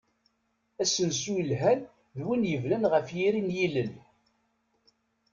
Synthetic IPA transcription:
æsənsujlɦæn | ðwinjəvnænʁəfjiɾinjiləl

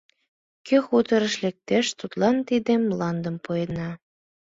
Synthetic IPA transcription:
køxut̪əɾə̆ʃlek̚t̪eʃt̪ut̪lɑnt̪id̪emːlɑnd̪ə̆mpujenɑ

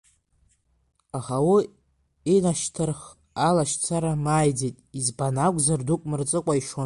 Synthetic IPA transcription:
aχawu | inaʃtʰɨrχ | alaʃt͡sʰaɾamajd͡zejtʼizbanaɡʷzardukʷʼmɨrt͡sʼɨkʷʼaiʃo

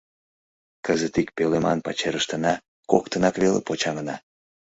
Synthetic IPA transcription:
kəzət̪ik̚pelemɑ̰npɑt͡ɕeɾəʃt̪ənɑ | kokt̪ənɑkβelḛpot͡ɕɑŋənɑ

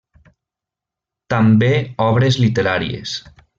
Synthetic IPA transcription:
t̪ambeɔβɾezlit̪eɾaɾḭḛs

